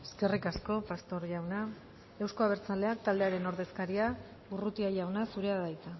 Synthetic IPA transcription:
e̥ske̞rikasko̞past̪o̞ɾʝawna | e̞wsko̞aβ̞e̞ɾt͡sale̞ak̚t̪ald̪eaɾe̞no̞ɾðe̞skaɾia | urut̪iajawnasuɾe̞aðajt͡s̪a

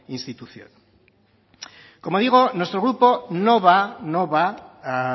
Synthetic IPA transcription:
ĩnst̪it̪uθjo̰n | komoðiɣonost̪ɾoɣɾuponoβanõβaa

